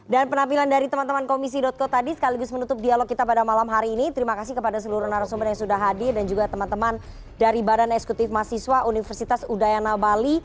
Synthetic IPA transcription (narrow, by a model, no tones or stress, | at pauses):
danpənampilandaɾit̪əmant̪əmankomis̬idɔt̪̚kot̪adisə̥kaliɡʊsmənut̪ʊp̚dialɔk̚kit̪apadamalamɦaɾiːnit̪əɾimakasɪhkəpadasəluɾunaɾasobat̪jaŋsudahɦadɪrdand͡ʒuɡat̪əmant̪əman | daɾibadanɛksə̥kut̪ɪfmasiswaʔunifərsit̪asudajanabali